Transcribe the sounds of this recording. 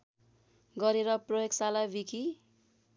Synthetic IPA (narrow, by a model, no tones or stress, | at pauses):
ɡʌɾeɾʌprʌjoɡsalabikʰi